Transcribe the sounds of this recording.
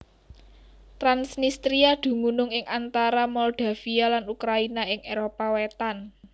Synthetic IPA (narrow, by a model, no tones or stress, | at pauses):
t̪ɾansnist̪ɾiad̪̥ṳmunʊŋɪŋʔant̪aɾamɔld̪̥a̤fialanukɾainaɪŋeɾopawet̪an